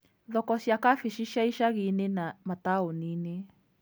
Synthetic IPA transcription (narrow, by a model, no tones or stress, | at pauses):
ðokoʃjakafiʃiʃaiʃaɣinẽnãmãt̪aonĩnẽ